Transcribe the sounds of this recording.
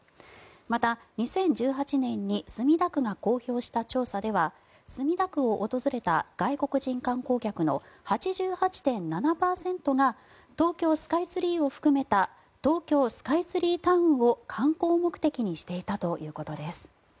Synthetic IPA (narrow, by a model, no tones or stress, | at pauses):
mat̪aɲ̟isẽ̞ɲ̟d͡ʑɨːɦat͡ɕinẽ̞ɲ̟ːisɨmʲid̪akɯ̟ɡako̞ːço̞ːɕi̥t̪at͡ɕo̞ːsad̪e̞βa | sɨmʲid̪akɯ̟o̞ʔot̪o̞zɨɾe̞t̪a̰ɡ̥aiko̞kɯ̟ʑĩŋkãŋko̞ːkʲakɯ̟no̞̰ | hat͡ɕiʑɨːhat͡ɕi̥t̪ẽ̞nːanapaːsẽ̞nt̪o̞ɡa | t̪o̞ːkʲo̞ːsɨ̥kait͡sɨɾʲiːo̞ɸɯ̟̥kɯ̟me̞t̪a | t̪o̞ːkʲo̞ːsɨ̥kait͡sɨɾʲiːt̪aɯ̟̃ɰo̞kʰãŋko̞ːmo̞kɯ̟̥t̪e̞kʲiɲ̟iɕi̥t̪e̞it̪at̪o̞jɯ̟ːko̞t̪o̞d̪e̞sɨ̥